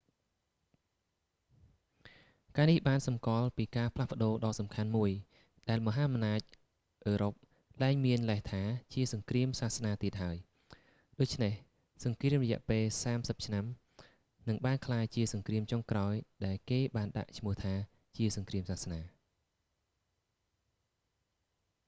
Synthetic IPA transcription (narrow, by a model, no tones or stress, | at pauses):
kaːnihɓaːnsɑmkŏəlpiːkaːpʰlahpə̆ɗoːɗɑːsɑmkʰanmuəj | ɗaɛlmɔɦaːmnaːc̚ | ʔəːɾop̚ | laɛŋmiənləht̪ʰaːt͡ɕiəsɑŋkriəmsaːhsnaːt̪iət̪̚ɦaəj | ɗoːc̚t͡ɕʰneh | sɑŋkriəmrɑɔjɛ̆əʔpeːlsaːmsəp̚t͡ɕʰnam | nɨŋɓaːnkʰlaːjt͡ɕiəsɑŋkriəmt͡ɕoŋkraɔjɗaɛlkeːɓaːnɗa̰ʔt͡ɕʰmʊ̆əht̪ʰaː | t͡ɕiəsɑŋkriəmsaːhsnaː